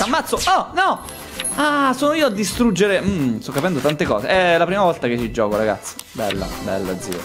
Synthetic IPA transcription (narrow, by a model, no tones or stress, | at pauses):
samːat̪soɔnɔ | asoːnoiːoad̪ːist̪ɾud͡ʒːeɾem̩st̪ɔkːapɛnd̪ot̪ant̪ekɔːsḛʔɛlapɾiːmavɔlt̪aket͡ʃːid͡ʒːɔːkoɾaɡa̰t̪sḁbɛ̰lːa̰bɛ̰lːad̪zḭːo̰